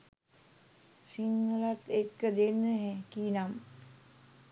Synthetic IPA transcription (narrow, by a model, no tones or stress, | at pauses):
siŋɡəlat̪ekːəd̪enːəɦɛkiːnam